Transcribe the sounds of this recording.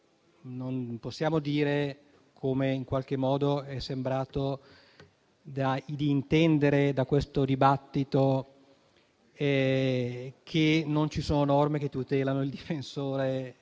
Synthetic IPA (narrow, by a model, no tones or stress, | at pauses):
nonposːjaːmod̪iːɾe | kʰomeiŋkwalk̟emːɔːd̪oɛsːembɾaːt̪o | d̪ad̪iːnt̪ɛnd̪eɾed̪akwest̪od̪ibat̪ːit̪o | ɛ | kʰenont͡ʃisoːnonɔrmeket̪ːut̪ɛːlanoild̪ifensoːɾe